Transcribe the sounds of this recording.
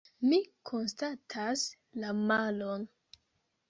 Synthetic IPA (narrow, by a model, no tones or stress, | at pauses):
mikʰo̞nstatʰas | lamalon